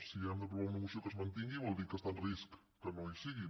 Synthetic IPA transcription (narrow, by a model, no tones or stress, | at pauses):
siɛmd̪əp̬ɾuβanəɣusiokəzmənt̪iŋɡiβɔlˠd̪ikəst̪anriskː | ənoisiɣi